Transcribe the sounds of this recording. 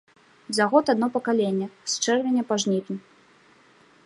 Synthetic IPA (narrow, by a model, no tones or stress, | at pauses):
zaɣɔt̪ad̪nɔpɐkalʲenʲːɐst͡ʂɛrvʲenʲɐpaʐnʲit̪ʲnʲi